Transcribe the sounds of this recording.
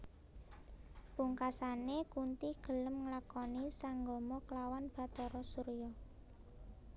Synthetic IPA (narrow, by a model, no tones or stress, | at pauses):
puŋkasanekunt̪iɡ̥ə̤ləmŋlakɔnisaŋɡɔmɔklawanb̥a̤d̪̥ɔ̤ɾɔsuɾjɔ